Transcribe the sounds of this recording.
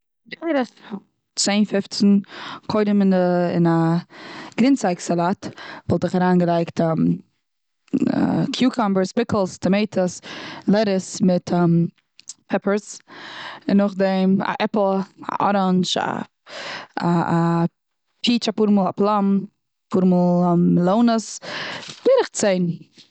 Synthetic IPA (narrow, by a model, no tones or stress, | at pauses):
deɪɾəs | t͡seɪnfɪft͡sn̩kʰoɪdəmɪnɪ̰na | ɡɾɪnt͡saɪksalˠaːtvɔlˠtɪχaɾaːnɡəlˠaɪktam | kʰjuːkʰɔmbəɾspɪkl̩ˠstʰɔmeɪtʰəslˠɛɾəsmɪtɔm | pʰɛpəɾs | ɪnːʊχdɛɪma̰ʔɛpl̩ˠa̰ʔɔɾɔnt͡ʃa̰ | aa | pʰiːt͡ʃapuːɾmɔːlˠaplˠam | pʰuːɾmulˠlˠoʊnəs | v̥eɾɪχt͡seɪn